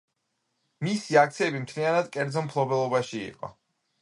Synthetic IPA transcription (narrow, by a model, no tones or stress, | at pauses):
misiak̚t̪sʰiɛbimt̪ʰlianad̪kʼɛɾd̪zɔmpʰlˠɔbɛlˠɔbaʃiḭqʼɔ̰